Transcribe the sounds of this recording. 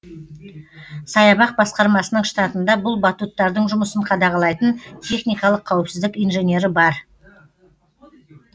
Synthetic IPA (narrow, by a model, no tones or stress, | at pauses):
sɑjɑbɑq̚bɑsqɑɾmɑsənəɴʃt̪ɑt̪ənd̪ɑbʊlˠbɑt̪ut̪ːɑɾd̪əɴʒʊməsəɴqʰɑd̪ɑʁɑlˠɑjt̪ənt̪ʰe̞χnijkɑlˠəqʰːɑwɪpsɪzd̪ɪkijnʒe̞nʲe̞ɾɪbɑɾ